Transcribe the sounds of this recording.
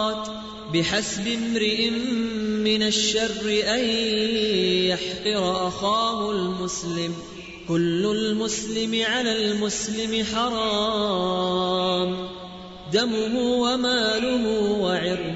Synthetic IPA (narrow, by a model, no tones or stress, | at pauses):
t̪ | bɪħasbɪmɾɪʔɪmːɪnaʃːɑrːɪʔaj | jaħqɨɾˤʔaxaːhʊlmʊslɪm | kʊlːʊlmʊslɪmɪʕalaːlmʊslɪmɪħɑɾˤɑː | m | d̪amʊɦʊwamaːlʊɦʊwaʕɪɾ